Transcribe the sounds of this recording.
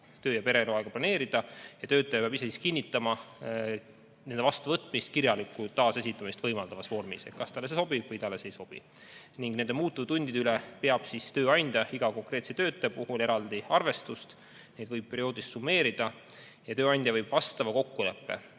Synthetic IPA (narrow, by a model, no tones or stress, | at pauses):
t̪øːjɑpe̞ɾeluɑeɡɑplɑne̞ːɾid̪̥ɑjɑt̪ø̞ːt̪ːˑɑjɑpeɑbisesiskinʲːit̪ːˑɑmɑ | nend̪vɑst̪uvɤt̪ːˑmist̪kiɾjɑlikːˑut̪ɑːse̞s̬ʲit̪ːˑɑmist̪v̥ɤjmɑld̪ɑvɑsvo̞rmḭset̪̚kɑst̪ɑlːes̬eso̞b̥ibvɤjt̪ɑlːese̞jso̞b̥ḭ | niŋɡne̞nd̪e̞muːt̪ːˑuvt̪unʲd̪̥id̪eylɛpe̞ɑb̥sist̪øːɑjnʲd̪̥ʲjɑiɡ̥ɑko̞ŋkɾe̞ːt̪set̪ø̞ːt̪ːˑepuhule̞ɾɑld̪̥iɑrve̞st̪ust̪ | ne̞jd̪̥vɤjb̥̚pe̞ɾio̞ːd̪̥ist̪sumːe̞ːɾid̪̥ɑ | jɑt̪ø̞ːɑnʲd̪jɑvɤjb̥vɑst̪ɑmɑko̞kːule̞pːe̞̰